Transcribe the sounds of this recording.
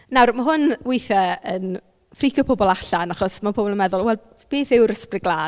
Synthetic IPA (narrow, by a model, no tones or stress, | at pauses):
nawrmaɦʊnwɪjθaən | frikʰjɔpʰɔbɔlˠaɬanaχɔsmapʰoːbɔlˠənmɛðʊlˠwɛlˠ | b̥eːθɪwɾəsprɪɡlˠaː